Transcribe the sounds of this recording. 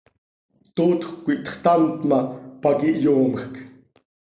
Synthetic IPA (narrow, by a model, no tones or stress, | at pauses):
t̪ot̪χʷkːʷiʔt̪χt̪amt̪mapakiʔjoːməχk